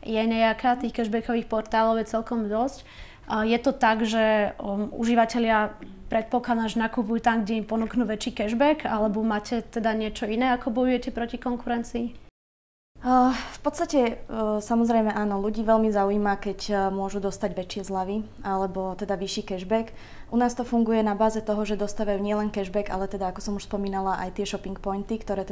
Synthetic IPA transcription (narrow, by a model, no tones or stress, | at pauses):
jɛɲɛakat̪iːxkɛʒbɛkɔʋiːxpɔɾt̪aːlɔʊjɛt͡sɛlkɔmd̪ɔsc | jɛt̪ɔt̪aɡʒɛ | ṵʒiʋacɛʎɪa | pɾɛt̪̚pɔklanaʒɛnakuːpujut̪amɡɟɛimpɔnuknuːʋɛt͡ʃiːkɛʒbɛkalɛbɔmaːcɛt̪ɛd̪aɲɪɛt͡ʃɔinɛːakɔbɔjujɛcɛpɾɔcikɔŋkuɾɛnt͡siː | fpɔt̪st̪acɛsamɔzɾɛjmɛʔaːnɔluɟiːʋɛlmizauiːmakɛcmʊɔʒud̪ɔst̪aɟʋɛt͡ʃɪɛzlaʋi | alɛbɔt̪ɛd̪aʋiʃiːkɛʒbɛk | ʔunaːst̪ɔfuŋɡujɛnabaːzɛt̪ɔɦɔʒɛd̪ɔst̪aːʋajuɲɪɛlɛnkɛʒbɛɡa̰lɛt̪ɛd̪aakɔsɔmuʃspɔmiːnalaʔa̰jt̪ɪɛʃɔpiŋkpɔjnt̪ikt̪ɔɾɛː